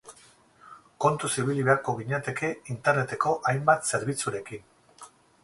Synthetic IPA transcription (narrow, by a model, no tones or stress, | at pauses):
ko̞nt̪usiβ̞iliβe̞aɾko̞ɣiɲat̪e̞ke̞int̪e̞ɾne̞t̪e̞ko̞ʔajmbat̪se̞ɾβ̞it͡suɾe̞kin